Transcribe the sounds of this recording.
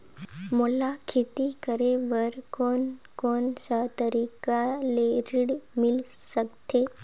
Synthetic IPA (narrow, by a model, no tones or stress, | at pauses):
molakʰet̪ikəɾeʋəɾkonkonsəɦt̪əɾikaleɾiɽmilsəkt̪e